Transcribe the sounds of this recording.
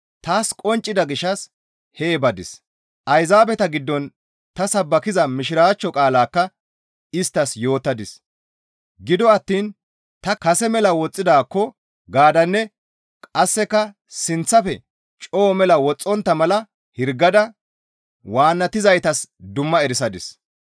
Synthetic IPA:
t̪aːskʼɔnt͡ʃʼːɪd̪ɐɡɪʃːɐs | heːbɐd̪ɪs | ʔɐjzaːbɛt̪ɐɡɪd̪ːɔn | t̪ɐsɐbːɐkɪzɐmɪʃɪɾaːt͡ʃːɔkʼaːlaːkːɐ | ɪst̪ːɐsjo̞ːt̪ːɐd̪ɪs | ɡɪd̪ɔɐt̪ːiːn | t̪ɐkɐsɛmɛlɐwɔt͡sʼːɪd̪aːkːɔ | ɡaːd̪ɐnːɛ | kʼɐsːɛkːɐ | sɪnt͡sːɐfɛ | t͡ʃʼo̞ːmɛlɐwɔt͡sʼːɔnt̪ːɐmɐlɐ | hɪɾɡːɐd̪ɐ | waːnːɐt̪ɪzɐjt̪ɐsd̪ʊmːɐɛɾɪsɐd̪ɪs

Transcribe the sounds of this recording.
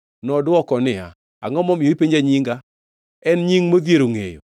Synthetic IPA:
nɔdwɔkɔnɪa̰ | aŋɔmɔmoipeɲd͡ʒaɲiŋɡa | ɛnɲiŋmoðjeɾoŋḛjo̰

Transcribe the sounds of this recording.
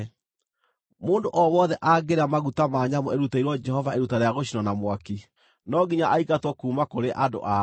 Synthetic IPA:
moːndoʔɔwɔðɛʔaɡeɾamaɣutamaːɲamɔeɾutaiɾwɔd͡ʒɛhɔvaeɾutaɾeaɣoɕinɔnamwaki | nɔɡiɲaʔaikatwɔkuːmakoɾeʔado̰ʔa

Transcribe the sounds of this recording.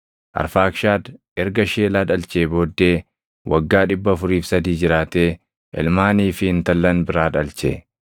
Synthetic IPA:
ʔɐ̰ɾfaːkʃaːd̪ | ɛɾɡɐʃeːlaːᶑɐlt͡ʃeːbo̞ːd̪ːe̞ː | wʔɐɡːaːᶑɪbːɐfʊɾiːfsɐd̪iːd͡ʒɪɾaːt̪e̞ː | ʔɛ̰lmaːniːfɪɪnt̪ɐlːɐnbɪɾaːᶑɐlt͡ʃḛ

